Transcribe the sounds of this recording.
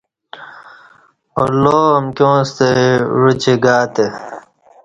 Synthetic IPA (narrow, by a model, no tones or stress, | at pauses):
o̰loːɐmkjõːst̪eɻut͡ɕiɡaːt̪e